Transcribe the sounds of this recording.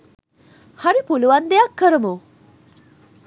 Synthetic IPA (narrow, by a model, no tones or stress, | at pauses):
haɾipuluwand̪ejakːəɾəmu